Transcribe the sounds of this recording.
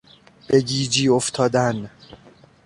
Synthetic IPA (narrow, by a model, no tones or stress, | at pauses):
b̥eɟiːd͡ʒiːoft̪ʰɒːd̪æn